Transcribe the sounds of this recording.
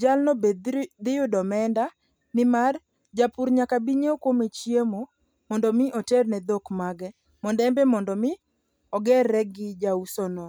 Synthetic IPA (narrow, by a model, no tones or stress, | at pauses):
d͡ʒalnɔbd̪ɪjʊdɔmɛnda | nɪmar | d͡ʒapuɾɲakabiɲeokwomet͡ʃjemo | mɔndɔmɪʔɔtɛrnɛd̪okmaɡɛ | mɔndɛmbɛmɔndɔmɪ | ɔɡɛrːɛɡɪd͡ʒausɔnɔ